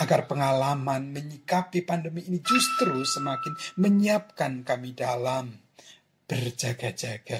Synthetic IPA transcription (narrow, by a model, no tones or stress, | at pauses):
ʔaɡarpəŋalamanməɲikapipandəmiːnid͡ʒust̪ɾusəmakɪnməɲiap̚kankamidalam | b̥ərd͡ʒaɡad͡ʒaɡ̥a